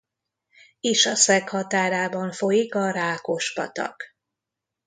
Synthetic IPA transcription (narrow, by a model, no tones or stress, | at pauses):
iʃɒsɛkhɒt̪aːɾaːbɒɱfo̞jikɒɾaːko̞ʃpɒ̰t̪ɒ̰k